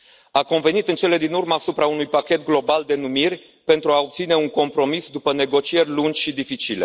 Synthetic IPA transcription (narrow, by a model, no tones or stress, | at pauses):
ako̞nve̞nit̪ɨnt͡ʃe̞le̞d̪inurməːsupɾaunujpakʲe̞t̪̚ɡlo̞bald̪e̞numirʲ | pe̞nt̪ɾuao̞p̚t̪sine̞uŋko̞mpɾo̞misd̪upəne̞ɡo̞t͡ʃie̞rʲlund͡ʒʲʃid̪ifit͡ʃile̞̰